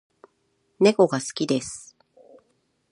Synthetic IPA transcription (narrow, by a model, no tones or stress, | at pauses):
ne̞ko̞ɡasɨ̥kʲid̪e̞sɨ̥